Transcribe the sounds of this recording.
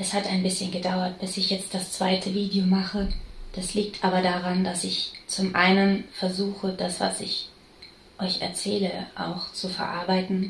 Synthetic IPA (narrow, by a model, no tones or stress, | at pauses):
ʔɛshataɪnbɪsçənɡədaʊɐtb̥ɪsɪçjɛt͡st̚d̥ast͡sv̥aɪtʰəviːdiomaχəd̥asliːk̚tʔaːbɐdaʁandasɪçt͡sʊmʔaɪnənfɛɐzuːxədasv̥a̰sɪç | ʔɔʏçɛ̰ɐt͡sɛːləʔa̰ʊxt͡sufɛɐʔa̰ɐbaɪtn̩